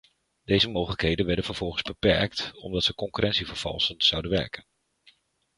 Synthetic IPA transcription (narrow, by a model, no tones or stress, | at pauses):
d̥ejzəmowχələkɦejdənʋɛɹdənvəɹv̥ɔlˠχənzbəpɛ̰ɹktɔ̰mdɑtsəkɔŋkyrʔɛntsivəɹv̥ɑ̰lˠsənz̥ɑwdənʋɛ̰ɹkən